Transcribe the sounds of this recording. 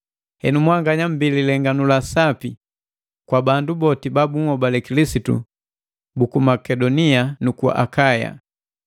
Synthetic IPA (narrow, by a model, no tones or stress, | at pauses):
hɛnumwaŋɡaɲam̩bililɛŋɡanulasapi | kwabandubɔtibabuŋhɔbalɛkilisitṵ | bukumakɛdɔnianukua̰ʔakaja̰